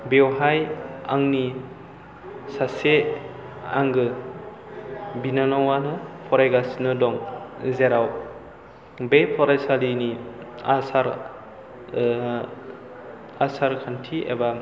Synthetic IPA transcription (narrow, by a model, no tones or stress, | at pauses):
bewɦaja̰ŋni | sase | a̰ŋɡɯ | binanawanɯpʰɔɾajɡasnɯdɔŋzeɾaw | bepʰɔɾajsaliniasaɾ | asaɾkʰantʰiḛba